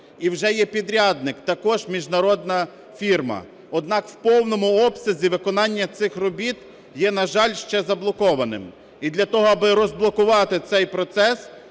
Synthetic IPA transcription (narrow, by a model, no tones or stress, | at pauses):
iwʒɛjɛpʲid̪ɾʲɑd̪nɪkt̪ɐkɔʒmʲiʒnɐɾɔd̪nɐ | fʲirmɐ̰ | ɔd̪nɑkwpɔwnɔmʊɔbsʲɐzʲiʋɪkɔnɑnʲːɐt̪sɪxrɔbʲit̪ | jɛnɐʒɑlʲʃt͡ʃɛzɐblˠɔkɔʋɐnɪ̰m | id̪lʲɐt̪ɔɦɔɐbɪɾɔzblˠɔkʊʋɑt̪ɪt̪sɛjpɾɔt̪sɛs